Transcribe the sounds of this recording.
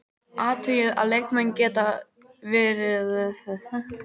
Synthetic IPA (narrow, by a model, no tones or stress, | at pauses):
aːt̪ʰʏjɪða̰ðlejkmɛncɛːt̪a | vɛːɾɪð